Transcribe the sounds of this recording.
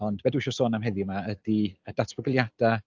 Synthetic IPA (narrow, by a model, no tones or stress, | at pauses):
ɔndbɛduːʃɔsoːnamɦɛðjmaədiədatʰbəɡəlˠjad̥a